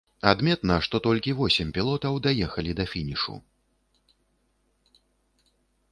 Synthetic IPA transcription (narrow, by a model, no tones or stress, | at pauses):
ad̪mʲɛt̪nɐʂt̪ɔt̪ɔlʲkʲivɔsʲɛmʲpʲilˠɔt̪ɐwd̪ajɛxɐlʲid̪ɐfʲinʲiʂṵ